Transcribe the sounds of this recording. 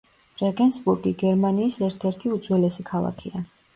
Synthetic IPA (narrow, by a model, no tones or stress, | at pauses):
ɾɛɡɛnsbuɾɡiɡɛɾmaniːsɛɾt̪ʰɛɾt̪ʰiud̪zwɛlɛsikʰalˠa̰kʰia